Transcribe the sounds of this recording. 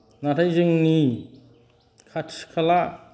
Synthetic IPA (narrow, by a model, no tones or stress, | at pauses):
natʰajzɯŋni | kʰatkʰala